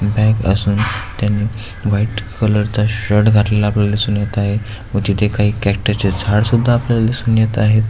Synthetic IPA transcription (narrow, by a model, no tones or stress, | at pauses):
bɛkə̰suːnt̪janːiː | ʋaiʈkʰələɾt͡saɕəɽɡʱaʈlelaːpljalalesunjat̪aɦe | ut̪it̪ekaɦiːkæk̚ʈəɾt͡ɕed͡zʱaɽsud̪ʱːaːpljalalisunjat̪aɦet̪